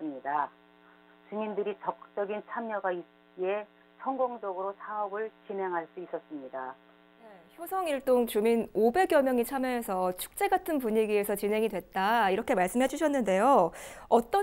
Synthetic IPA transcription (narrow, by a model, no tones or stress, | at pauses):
ɯmɲida | t͡ɕuɲindɯɾit͡ɕʌk̚t͡ɕ͈ʌɡint͡ɕʰamɲʌɡait̚k͈ie̞ | sʰʌŋɡoŋd͡ʑʌɡɯɾosʰaʌbɯɭt͡ɕinɦe̞ŋɦaɭs͈uis͈ʌs͈ɯmɲida | neçjosʰʌŋiɭt͈oŋt͡ɕuminobe̞ɡjʌmjʌŋit͡ɕʰamjʌɦesʰʌt͡ɕʰu̥k̚t͡ɕ͈e̞ɡatʰɯnp̬uɲiɡie̞sʰʌt͡ɕinɦe̞ŋidwe̞t̚t͈aiɾʌkʰe̞maɭs͈ɯmɦe̞d͡ʑuɕ̬ʰʌnːɯnde̞joʌt͈ʌ